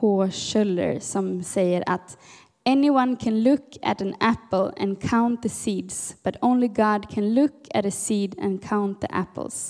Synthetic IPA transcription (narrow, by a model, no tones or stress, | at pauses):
hoːʃɛlːə̰ɹsɔmsɛjəɾʔa̰t̪ | ɛnɪwãnkʰæ̃nlʊkʰæ̰tə̃næpəl̩ɛ̰̃nkʰãʊ̃nt̪ðəsiːd̪sb̥at̪õʊ̃nlɪɡɑd̪kʰæ̃nlʊkʰæɾəsiːd̪ɛ̰̃nkʰãʊ̃nt̪̚ðḭʔæ̰pl̩ˠs